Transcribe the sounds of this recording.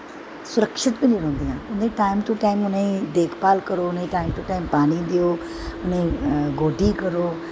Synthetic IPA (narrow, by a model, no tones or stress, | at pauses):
sʊɾəkʃɪt̪bɪ̃niɾɐ̃ːnd̪iãːʊnĩʈaːɪmt̪uʈaːɪmʊnəĩd̪eːkʰpaːlkɐɾoʊnĩʈaːɪmt̪uʈaːɪmpaːɽ̃id̪ijoː | ʊnĩɡoːɖʱikɐɾoː